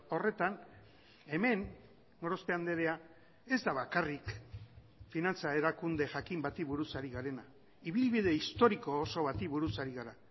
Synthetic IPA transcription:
o̞re̞t̪an | e̞me̞n | ɡoɾospe̞and̪e̞ɾe̞a | e̞zd̪aβakarik | finant͡sae̞ɾakund̪e̞ʝakimbat̪iβuɾusaɾiɣaɾe̞na | iβilβið̞e̞ist̪o̞ɾikoːso̞βat̪iβuɾusaɾiɣaɾa

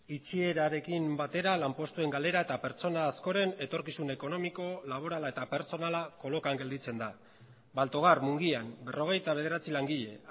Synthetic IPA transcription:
it͡ʃie̞ɾaɾe̞kimbat̪e̞ɾalampo̞st̪ue̞ŋɡale̞ɾae̞t̪ape̞ɾt͡so̞naːsko̞ɾe̞ne̞t̪o̞ɾkisune̞ko̞no̞miko̞laβ̞o̞ɾalaet̪ape̞ɾt͡so̞nalako̞lokaŋɡe̞ld̪it͡se̞nd̪a | balt̪o̞ɣ̞armuŋɡianbe̞ro̞ɣ̞e̞jt̪aβe̞ð̞e̞ɾat͡silaŋɡiʎe̞

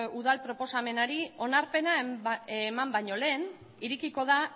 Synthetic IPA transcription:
uðalpɾo̞po̞same̞naɾio̞naɾpe̞naemambajɲo̞le̞ːn | iɾikiko̞ða

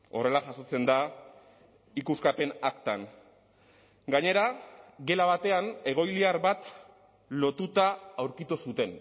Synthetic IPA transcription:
o̞̰re̞laʝaso̞t͡se̞nd̪a | ikuskape̞nakt̪an | ɡaɲe̞ɾaɣe̞laβat̪e̞ane̞ɣ̞o̞jliaɾβat̪ | lo̞t̪ut̪aːwɾkit̪usut̪e̞n

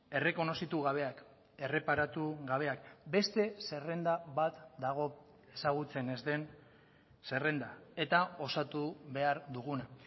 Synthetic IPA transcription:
e̞re̞ko̞no̞sit̪uɣaβ̞e̞ak | e̞re̞paɾat̪uɣaβ̞e̞akbe̞st̪e̞se̞re̞nd̪aβat̪d̪aɣ̞o̞ | e̞saɣut͡se̞ne̞zd̪e̞n | se̞re̞nd̪ae̞t̪ao̞sat̪uβe̞aɾd̪uɣ̞una

